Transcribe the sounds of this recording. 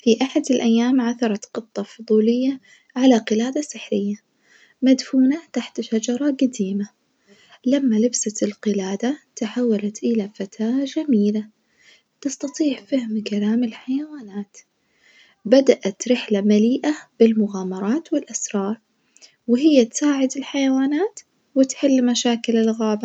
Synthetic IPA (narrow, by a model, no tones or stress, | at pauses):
fiʔaħad̪ɪlʔajːaːmʕaθɑɾˤɑt̪qɨt̪ˤːɑfʊðˤuːlɪjːa | ʕalaqɨlaːd̪asɪħɾɪjːa | mad̪fuːnat̪aħt̪ʃad͡ʒɑɾˤɑɡad̪iːma | lamːalɪbsalqɪlaːd̪at̪aħawːalat̪ʔɪlafat̪ʰaːd͡ʒamiːla | t̪ɪst̪ɑt̪ˤiːʕfahmkalaːmɪlħajawaːnaːt̪ | bad̪aʔat̪ɾɪħlamaliːʔab̥ɪlmʊɣaːmɑɾˤɑːt̪wɪlʔasɾˤɑːɾˤ | wɪɦɪjːat̪saːʕɪd̪ɪlħajawaːnaːt̪ | wɪt̪ħɪlːmaʃaːkɪlɪlɣaːba